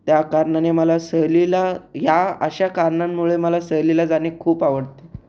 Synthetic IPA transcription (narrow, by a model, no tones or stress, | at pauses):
t̪jakaɾɳaneməlasəɦlilajaə̰ɕakaɾɳamːuɭeməlasəɦlilad͡zanekʰuːpaʋəɽt̪e̥